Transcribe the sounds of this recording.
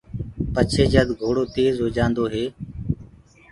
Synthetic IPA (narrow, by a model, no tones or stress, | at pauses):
pət͡ʃʰeːd͡ʒəd̪ɡʱoːɽoːt̪eːzɦoːd͡ʒãːnd̪oːɦeː